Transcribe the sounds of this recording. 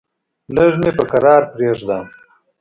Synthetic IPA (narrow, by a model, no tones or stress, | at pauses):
ləʐmepəkaɾɑːɾpɾeʐd̪a